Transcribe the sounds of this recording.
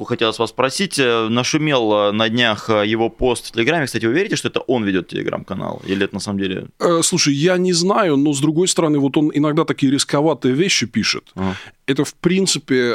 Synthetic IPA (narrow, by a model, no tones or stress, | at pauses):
koxɐtʲelˠəsvasspɾɐsʲitʲənəʂʊmʲe̞lˠnɐdʲnʲaxjɪvo̞po̞st̪tʲːɪlʲɪɡɾamʲɪksatʲɪvɨʊvʲeɾʲɪtʲɪʂt̪oɛt̪əʔo̞nvʲɪdʲo̞t̪̚tʲɪlʲɪ̰ɡɾa̰mkɐna̰lˠḭlʲɪɛt̪ənɐsaməmdʲelʲɪ̰əslˠuʂəjjanʲɪznajʊno̞zd̪ɾʊɡo̞jst̪əɾɐnɨvo̞t̪o̞nɪnɐɡd̪at̪ɐkʲijəɾʲɪskɐvat̪ɨjəvʲeɕːɪpʲiʂɨ̰t̪ɛt̪əfpɾʲint̪sɨpʲɪ